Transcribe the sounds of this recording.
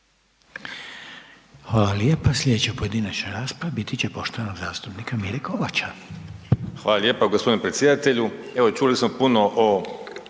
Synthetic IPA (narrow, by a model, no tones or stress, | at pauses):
xʋaːlaljeːpaslʲe̞d̪et͡ɕepoje̞d̪iːnat͡ɕnaɾaːspɾabit̪it͡ɕepo̞ʃt̪oʋanoɡzaːst̪upnikamiɾekoʋat͡ɕa | xʋaːlaljeːpaɡospd̪inepɾet̪sje̞d̪at̪eʎueʋot͡ʃulismopunoʔo